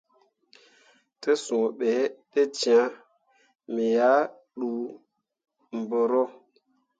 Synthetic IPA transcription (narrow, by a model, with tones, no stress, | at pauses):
tə˦sũ˨ɓe˨˦ɗe˦t͡ʃi˨a˨˦ | mi˨ja˦ | ɗu˨ | m̩˨bo˨ɾo˦